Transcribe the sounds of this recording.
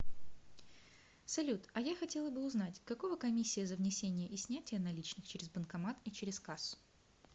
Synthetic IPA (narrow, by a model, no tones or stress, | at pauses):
sɐlʲut̪ɐjaxɐtʲe̞lˠəbɨʊznatʲkɐkovəkɐmʲisʲːɪjəzəvnʲɪsʲenʲɪjəʔɪsʲnʲætʲɪjənɐlʲit͡ɕnɨxt͡ɕeɾʲɪzbənkɐmat̪it͡ɕeɾʲɪskasʊ̥